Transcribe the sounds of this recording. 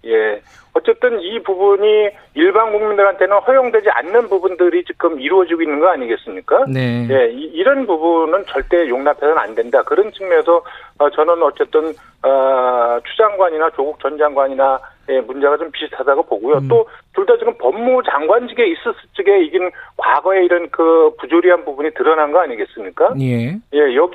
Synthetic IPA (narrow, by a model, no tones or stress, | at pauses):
je̞ | ʌt͡ɕ͈e̞t͈ɯnipubuɲi | iɭbaŋɡuŋmindɯɾɦantʰe̞nɯnɸʌjoŋdwe̞d͡ʑia̰nːɯnbubundɯɾit͡ɕik͈ɯmiɾuʌd͡ʑiɡoinːɯnɡʌaɲiɡe̞s͈ɯmɲik͈anneje̞iːɾʌnpubunɯnt͡ɕʌɭt͈e̞joŋnapʰe̞sʰʌna̰ndwe̞ndakɯɾʌnt͡ɕʰɯŋmʌsʰʌt͡ɕʌnɯnʌt͡ɕ͈e̞t͈ɯn | ʌt͡ɕʰud͡ʑaŋɡwaɲinat͡ɕoɡuk̚t͡ɕ͈ʌnd͡ʑaŋɡwaɲinaje̞mund͡ʑeɣad͡ʑompisʰtʰadaɡopoɡujot͈otuɭdad͡ʑiɡɯmpʌmːud͡ʑaŋɡwand͡ʑiɡe̞is͈ɯs͈ɯt͡ɕ͈iɡe̞iɡɯnkwaɡʌe̞iɾʌnkɯpud͡ʑoɾiɦanbubuɲitɯɾʌnanɡʌaɲiɡe̞s͈ɯmɲik͈ajeje̞jʌɡ